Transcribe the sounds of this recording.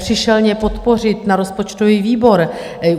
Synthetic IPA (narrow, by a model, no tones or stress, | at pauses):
r̥ɪʃɛlɲɛpo̞t̪po̞r̝ɪt̪naɾo̞spot͡ʃt̪o̞viːviːbo̞ɾ